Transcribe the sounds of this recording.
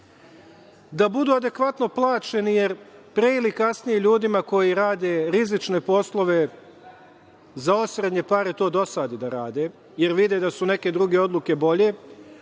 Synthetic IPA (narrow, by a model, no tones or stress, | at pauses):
d̪abud̪uːad̪e̞kʋat̪no̞plˠaːt͡ʃe̞nije̞ɾpɾe̞ilikasnijeʎuːd̪imako̞jiɾaːd̪e̞ɾizit͡ʃne̞po̞slˠo̞ʋe̞ | zao̞sɾe̞d̪ɲe̞paɾet̪o̞ːd̪o̞saːd̪id̪aɾaːd̪e̞ | je̞ɾʋid̪e̞d̪asune̞ke̞d̪ɾuɡe̞o̞d̪lˠuke̞bo̞ʎe̞